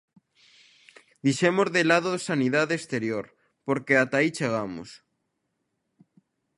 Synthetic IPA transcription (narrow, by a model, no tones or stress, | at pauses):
d̪iʃemozðelað̞oðsaniðaðest̪eɾjoɾ | poɾkeat̪ait͡ʃeɣ̞amo̰s